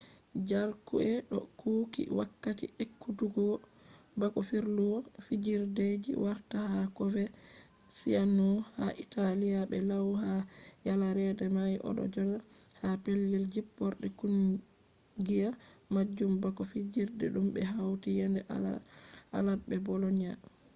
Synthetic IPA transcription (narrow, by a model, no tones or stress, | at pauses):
d͡ʒaɾkuɛɗɔ̰kʰuːkḭwakːatḭʔekːutuɡɔ | bakɔfiɾluwɔfid͡ʒiɾded͡ʒḭwaɾtahakɔvɛ | sianɔhaʔitalijabɛlawhajalaɾɛdɛmajʔɔ̰ɗɔ̰d͡ʒɔla | hapelːɛld͡ʒipːɔɾɗɛkun | ɡijamad͡ʒːumbakɔfid͡ʒiɾdɛ̰ɗumbɛɦawtijɛndɛ | ʔa̰lad̚bɛbɔlɔɲa